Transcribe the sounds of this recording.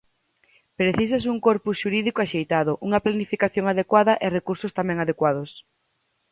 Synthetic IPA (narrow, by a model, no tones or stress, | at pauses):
pɾeθis̬as̬uŋkoɾpusʃuɾiðikoaʃejt̪aðʊʔuŋɐplanifikaθjoŋaðekwaðɐʔɪrekuɾsost̪amɛ̃ŋaðekwaðos